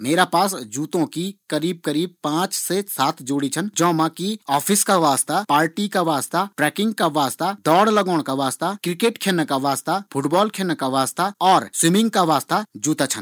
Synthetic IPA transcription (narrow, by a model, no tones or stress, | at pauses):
meːɾapaːsd͡ʒuːt̪õkikəɾiːb̚kəɾiːb̚pãːt͡ʃsesaːt̪ʰd͡ʒoːɽit͡ʃʰənd͡ʒɔ̃ːmãkiɔːpʰɪskaʋaːst̪apaːɾʈikaʋaːst̪aʈɾɛːkɪ̃ŋɡ̚kaʋaːst̪ad̪ɔːɽləɡɔːɽ̃kaʋaːst̪akɾɪkeːʈkʰeːnəkaʋaːst̪apʰʊʈbɔːlkʰeːnəkaʋaːst̪aɔːɾswɪmɪ̃ŋɡkaʋaːst̪ad͡ʒuːt̪at͡ʃʰən